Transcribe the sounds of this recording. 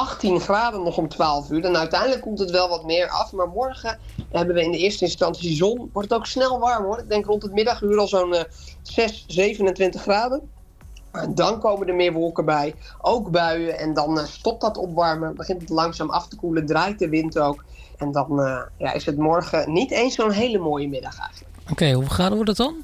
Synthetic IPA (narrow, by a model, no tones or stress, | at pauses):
ʔɑχtinχraːdənːɔχɔmtʋaːlˠəfyːɾɛnœɥtɛjndələkːɔmtɦətʋɛlˠʋɔtmɪːɹɑ̰fmaːɹmɔɹɣə | ɦɛbənʋəɪndəɪəstəɪnstɑnsizɔnʋɔɹtətowksnɛlˠʋɑɹmɦʊrɪɡ̚dɛŋkrɔntətmɪdɑχyːɾɑlˠzown | z̥ɛszejvənəntʋɪntəχraːdə | dɔnkowmədəmɪːɹʋolˠkəbɛjʔowkbœɥəʔɛndɔnstɔp̚tɔtɔpʋɑɹməbəχɪntətlɑŋsaːmɑ̰ftəkulədraːjt̚dəʋɪntowk | ɛndɔnja̰ʔɪ̰sətmɔɹɣənitejnsːownɦejləmoːjəmɪdɑχɛ̰jxəəkokejuχaːdəɔdɔtɔn